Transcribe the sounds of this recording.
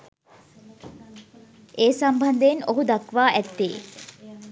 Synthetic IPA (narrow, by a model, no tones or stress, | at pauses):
ʔeːsambʱɐnd̪eenoɦud̪ɐkʋaːʔæt̪ːḛː